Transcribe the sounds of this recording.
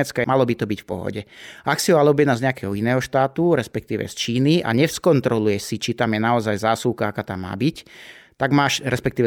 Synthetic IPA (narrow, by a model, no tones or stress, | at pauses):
ɛt͡skamalɔbit̪ɔbicfpɔ̰ɦɔ̰ɟɛʔaksiɔalɛɔbɪjɛd̪nazɲɛakɛːɦɔinɛːɦɔʃt̪aːt̪uɾɛspɛkt̪iːʋɛ̰st͡ʃiːniʔa̰ɲɛfskɔnt̪ɾɔlujɛsit͡ʃit̪amjɛnaɔzajzaːsuːkaakaːt̪amːa̰ːbict̪aɡmaːʃɾɛspɛk̚t̪iːʋɛ